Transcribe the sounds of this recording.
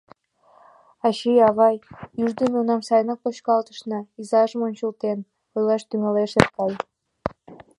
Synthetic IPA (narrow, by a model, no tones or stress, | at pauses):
ɑɕijɑβɑjyʒd̪əmeunɑmsɑjnɑk̚pot͡ɕkɑlt̪ə̥ʃnɤizɑʒəmonʲt͡ɕəlt̪en | ojlɑʃt̪ymeleʃet̪kɑj